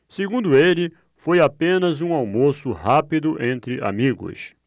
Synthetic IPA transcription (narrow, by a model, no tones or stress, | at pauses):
seɡũnd̪ʊelɪ | fojapẽnɐzũawmosʊhapid̪ʊʔẽnt̪ɾɪʔa̰miɡʊ̰s